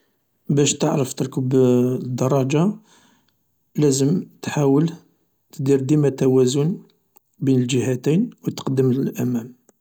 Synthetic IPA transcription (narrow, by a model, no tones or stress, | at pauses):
bæʃt̪əʕɾəft̪əɾkəbd̪ːɑrˤːɑd͡ʒa | læzəmt̪ħawəl | t̪əd̪iɾd̪imæt̪ːæwæzʊn | binəld͡ʒəhæt̪ijnwət̪ə̥qd̪əmlʔæmæm